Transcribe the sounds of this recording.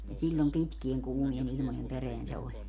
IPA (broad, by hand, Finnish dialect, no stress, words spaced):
ni silʲːom pitkieŋ kuːmien ilmojem pereæn se olʲ